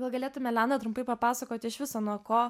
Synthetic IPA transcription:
ɡɐlˠɡɐlʲeːt̪ʊmʲɛlʲænɐt̪ɾʊmpɐɪpɐpɑːsɐkoːt̪ʲɪɪʃʋʲɪsoːnuɔkoː

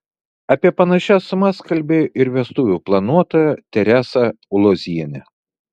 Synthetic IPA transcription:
ɐpʲiɛpɐnɐʃʲæsʊmɐskɐlʲbʲeːjoʔɪɾʋʲiɛst̪uːʋʲuːplˠɐnuɔt̪oːjɛt̪ʲɛɾʲæːsɐʊlˠozʲiɛnʲɛ

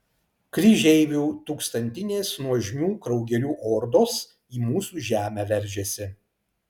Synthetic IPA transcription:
kɾʲɪʒʲɛɪʋʲuːt̪uːkst̪ɐnʲt̪ʲɪnʲeːsnuɔʒʲmʲuːkɾɒʊɡʲɛɾʲuːʔɔːɾd̪oːs | iːmuːsuːʒʲæːmʲæːʋʲɛɾʲʒʲesʲɪ

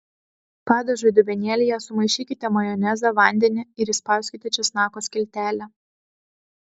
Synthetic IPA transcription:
pɑːd̪ɐʒʊɪd̪ʊʋʲɛnʲeːlʲejɛsʊmɐɪʃʲiːkʲɪt̪ʲɛmɐjɔːnʲɛzɐʋɐˑnʲd̪ʲɛnʲɪɪɾɪspɑˑʊsʲkʲɪt̪ʲɛt͡ʃʲɛsnɑːkoːsʲkʲɪlʲt̪ʲæːlʲɛ

